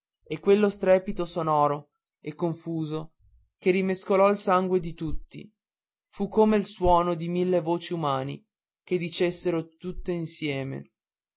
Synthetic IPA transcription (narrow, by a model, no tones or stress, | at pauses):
ekːwelːost̪ɾɛːpit̪osonɔːɾo | ekːoɱfuːzo | kerimeskolɔilsaŋɡwed̪it̪ut̪ːḭ | fukːomeilswɔːnod̪imilːevoːt͡ʃiumaːnḭ | ked̪it͡ʃesːeɾot̪ut̪ːeinsjɛːmḛ